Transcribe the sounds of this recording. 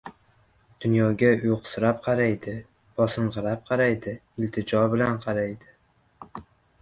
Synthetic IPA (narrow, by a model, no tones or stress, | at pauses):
d̪̥ʊnjɒɡʲajoqsʊɾap̚qʰɑɾajd̪ɪ | b̥ɒsɨɴʁɨɾap̚qʰɑɾajd̪ɪ | ɪlt̪ʰɪd͡ʒɒbɪlanqʰɑɾajd̪ɪ